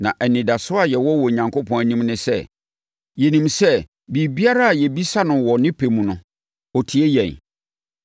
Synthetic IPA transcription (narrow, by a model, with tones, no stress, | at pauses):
nã̰˨ʔɛ˨nɪ̃˨da˨sʊ˦a˨jɛ˨wɔ˦wɔ˨ɲã˨ŋkʰo˦pʰɔ̃˦næ˨nĩ˦mnɪ̃˦sɛ̰˦˨ | jɛ˨nĩ˨msɛ˦ | bi˨bi˦a˦ɾa˦˨jɛ˨bi˦sa˦nʊ̃˨wɔ˨nɪ̃˦pʰe˨mũ˨nʊ̃˨ | ɔ˨tʰi˨ɛ˦jɛ̃˨n